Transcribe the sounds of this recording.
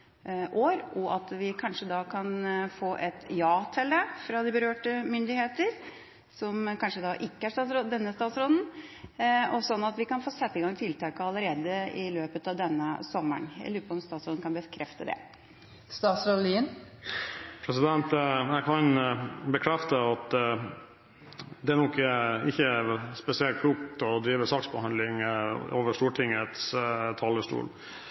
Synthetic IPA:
ʔoːɾʔɔʔɑt̪ʋɪkʰɑnʂəd̪ɑːkʰɑnfoːʔɛt̪jɑːt̪ʰɛlːəfɾɑd̪ɪbəɾøːʈəmʏnd̪ɪheːt̪əɾ | sɔmkɑnʂəd̪ɑʔɪkːəæʂst̪ɑːt̪sɾɔd̪ɛnːəst̪ɑːt̪sɾɔd̪n̩ | ɔsɔnːɑt̪ʋɪkɑnfoːsɛt̪ːəɡɑŋt̪ʰɪlt̪ʰɑːkəɑlːəɾeːd̪əɪløːpət̪ɑʋd̪ɛnːəsɔmːə̰ɳjæ̰ɪlʉːpəɔmst̪ɑːt̪sɾoːd̪n̩kʰɑnbəkʰɾʔɛft̪əd̪ɛ̰ | st̪ɑːt̪sɾod̪liːən | pʰɾɛsɪd̪ɛnt̪æɪkʰɑnbəkʰɾɛft̪əɑt̪ | d̪ɛæɳɔkːɪçːəspɛsɪɛlt̪̚kʰluːkt̪ɔd̪ɾiːʋəsɑksbəhɑnd̪lɪŋoːʋəʂtuːʈʰɪŋət̪st̪ʰɑːləʂʈṵːl

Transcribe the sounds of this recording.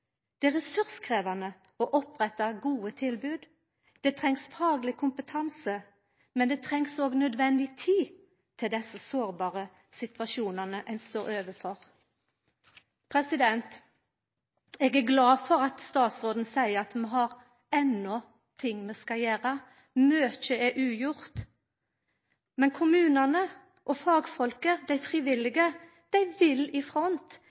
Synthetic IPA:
d̪̥ɛæʁɛsʉɾskʰʁeːʋɑnə | ɔʔɔpʁɛt̪ːɑɡuːət̪ʰɪlbʉːd̪ | d̪̥ɛt̪ʰʁɛŋsfɑːɡlɪkʰʊmpət̪ʰɑnsə | mɛnd̪ɛːt̪ʰɾɛŋsoːɡnœd̪ʋɛnd̪ɪt̪ʰiː | t̪ʰɪld̪ɛsːəsoːʁbɑːʁə | sɪt̪ʋɑʃuːnənəʔæɪnst̪oːɾøːʋəfɔʁ | pʰɾɛsɪd̪ɛnt̪ | ɛːɡæɡlɑːfɔʁɑt̪st̪ɑːt̪sʁoːd̪n̩sæɪəʁɑt̪mɛɦɑʁ | ɛnːɔ | t̪ʰɪŋːmɛskɑjæːʁə | møːçəɛʔʉːjʊʁt̪ | mɛnkʰʊmʉːnɑnə | ʔɔfɑːɡfɔlkəd̪æɪfʁiːʋɪlːɪɡə | d̪̥æɪʋɪlɪfʁɔnt̪

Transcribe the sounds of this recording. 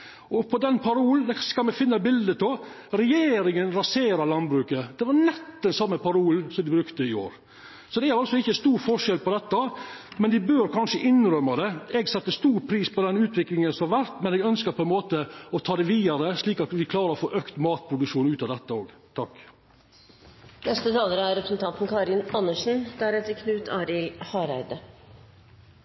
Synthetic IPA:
ʔɔpʰɔd̪ɛnpʰɑɾuːlnd̪ɛskɑlmɛfɪnːəɑbɪld̪əpɔ | ɾɛjeːɾɪŋənɾɑseːɾɑɾlɑnbɾʉːkəd̪̥ɛʋɑnɛt̪ːɛnsɑmːəpɑɾuːlsɔmd̪ɪbɾʉkt̪əɪo̰ːɾ | sɔd̪ɛæɾɑlsɔɪçːəst̪uːɾfɔʂɛlpɔd̪ɛt̪ːəmɛnd̪ɪbøːɾkʰɑnʂəʔɪnɾœmːɑd̪ɛɛɡsɛt̪ːəst̪uːɾpʰɾiːspʰɔd̪ɛnʉːt̪ʰʋɪklɪŋənsɔmhɑɾʋæɾt̪mɛnɛɡœnskəpʰɔɛnmoːt̪əɔt̪ʰɑːd̪ɛʋiːd̪ɑɾəʂliːkɑt̪ʋɪkʰlɑːɾəɾɔfoːʔøːkt̪mɑːt̪̚pʰɾʊd̪ʉkʂuːnʉːt̪ɑd̪ɛt̪ːəoːɡ | t̪ʰɑk | nɛst̪ət̪ʰɑːləɾɑɾɛpɾəsn̩t̪ʰɑnt̪n̩kʰɑːɾɪnɑnːəʂn̩d̪̥æɾɛt̪əɾkʰnʉːt̪ʰɑːɾɪlhɑːɾæ̰ɪd̪ə

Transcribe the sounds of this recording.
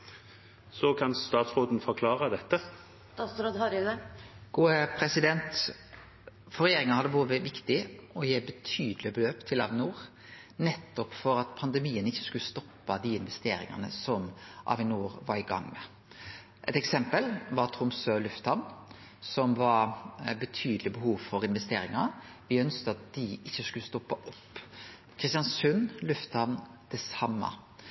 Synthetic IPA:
sɔkʰɑnst̪ɑːt̪sʁoːd̪n̩fɔɾkʰlɑːʁəd̪ɛt̪ːə | t̪ɑsɾod̪hɑɾd̪ɛɡ̥uːəpʰɾɛsɪd̪ɛnt̪ | fɔɾɛjeːɾɪŋənhɑd̪ːəboːʋəʋɪkt̪ɪɔjeːbət̪ʰyːd̪lɪbəløːpt̪ʰɪlɑ̰ʋɪnuːɾ | nɛt̪ːɔpfɔɾɑt̪pʰɑnd̪ɛmiːənɪçːə̥skʉlːəst̪ɔpːɑd̪iɪnʋɛst̪eːɾɪ̰ŋɑ̰nə̰sɔmʔɑ̰ʋɪnuːɾʋɑɾɪɡɑ̰ŋːmɛ | ʔɛt̪ɛksɛmpəlʋɑɾt̪ʰɾʊmsølʉft̪hɑʋn | sɔmʋɑɾbət̪ʰyːd̪əlɪbəhuːʋfɔɾɪnʋɛst̪eːɾɪŋɑn | ʋɪœnskəɑt̪̚d̪̥ɪɪçːəskʉləst̪ɔpːɑʔɔpː | kʰɾɪst̪jɑnsʉnlʉft̪hɑʋnd̪̥ɛsɑmːɑ̰

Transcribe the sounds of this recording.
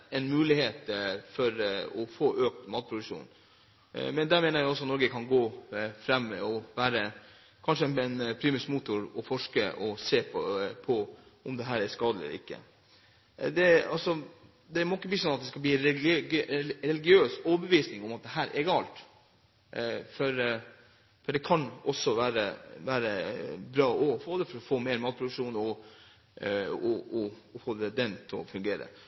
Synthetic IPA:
ɛnmʉːlɪheːt̪fɔɾɔfoːʔøːk̚t̪mɑːt̪̚pʰɾʊd̪ʉkʂṵːn | mɛnd̪æːɾmeːnəɾjæɪɔsɔɑt̪nɔɾɡəkʰɑnɡoːfɾɛmːɔʋæːɾə | kʰɑnʂəɛnɛnpʰɾiːmɪsmuːt̪ʊɾɔfɔʂkəʔɔseːppʰɔʊmd̪ɛɦæːɾæskɑːd̪ləɛ̰ɾɪkːə̰ | d̪ɛɑlsɔ | d̪ɛɾmoːɪkːəbliːsɔnɑt̪̚d̪ɛskɑbliːɾɛ | ɾɛlɪɡɪøːsoːbəʋiːsnɪŋɔmɑt̪̚d̪ɛɦæːɾʔɛɡɑːlt̪ | fɔɾ | fɔɖɛkʰɑnɔsːɔʋæːɾəʋæːɾəbɾɑːʔɔfoːd̪ɛfɔɾɔfoːmeːɾmɑːt̪̚pʰɾʊd̪ʉkʂuːnɔ | ɔʔɔ | ɔfoːd̪ɛd̪ɛnt̪ʰɔfʉŋɡeːɾə̰

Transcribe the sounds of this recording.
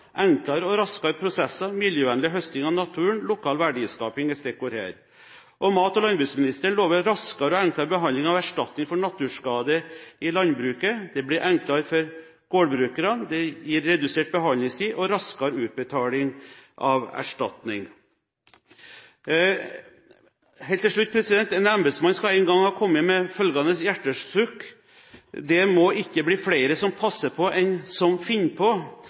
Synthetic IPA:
ʔɛŋklɑɾɔɾɑskɑɾpʰɾʊsɛsːɑmɪljøːʋɛnlɪɦœst̪ɪŋɑnɑt̪ʰʉːəɳlʊkʰɑːlʋæɖiːskɑːpɪŋɛst̪ɛkːɔɾæ̰ːɾ | ʔɔmɑːt̪ɔlɑnbɾʉːksmɪnɪst̪əəɳloːʋəɾɾɑskɑɾəɔɛŋklɑɾbəɦɑnlɪŋɑʋæʂʈɑt̪nɪŋfɔɳɑt̪ːʉʂkɑːd̪əɪlɑnbɾʉːkəd̪ɛblɪɾʔɛŋklɑɾfɔɾ | ɡ̥oːɖbɾʉːkəɾɑd̪ɛjiːɾːɛd̪ʉseːʈ̚bəɦɑlnɪŋst̪ʰiːʔɔɾɑskɑɾʉːt̪̚bət̪ʰɑːlɪŋʔɑʋæ̰ʂʈɑ̰t̪nɪŋ | hɛːlt̪ʰːɪlʂɭʉt̪̚ːpʰɾɛsɪd̪ɛnt̪ɛnɑmbəd̪smɑnskɑæɪnɡɑŋhɑːkʰɔmːəmɛfœlɡɑnəsjæʈːəʂsʉk | d̪ɛmɔɪkːəbliːflæɪɾəsɔmpʰɑsːəpʰɔʔɛnsɔmfɪnːpʰɔ

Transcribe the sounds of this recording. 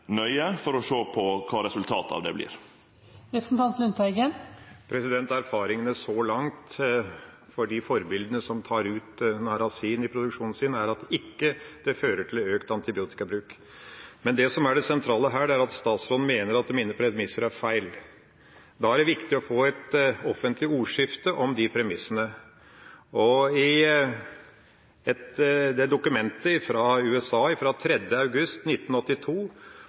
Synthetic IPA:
nœʏəfɔɾɔʂoːpʰɔkʰɑːɾɛsʉlt̪ʰɑːt̪ɑ̰ʋd̪ɛ̰blɪ̰ːɾ | ɾɛpɾəsn̩t̪ʰɑnt̪lʉnt̪æɪɡənpʰɾɛsɪd̪ɛnt̪æɾfɑːɾɪŋənəsɔlɑŋt̪ | fɔɖifɔɾbɪld̪ənəsɔmt̪ʰɑːɾʉːt̪nɑɾɑsiːnɪpʰɾʊd̪ʉkʂuːnn̩sɪnæɾɑt̪ɪkːəd̪̥ɛføːɾəʈʰɪløːkt̪ɑnt̪ɪbɪuːt̪ɪ̥kɑbɾʉːk | mɛnd̪ɛsɔmæɖɛsɛnt̪ʰɾɑːləɦæːɖɛæɾɑt̪st̪ɑːt̪sɾɔd̪n̩meːnəɾɑt̪̚d̪ɛmiːnəpʰɾɛmɪsəɾæɾfæɪl | d̪ɑæɖɛʋɪkt̪ɪɔfoːɛt̪ɔfənt̪lɪuːʂɪft̪əʔɔmd̪ɪpʰɾɛmɪsːənə | ɔɪ | ɛt̪d̪ɛd̪ʊkʉmɛnt̪əɪfɾɑʉːɛsɑːɪfɾɑt̪ʰɾɛd̪jəɑʉɡʉst̪nɪt̪ːn̩ɔt̪ːɪt̪ʰuː

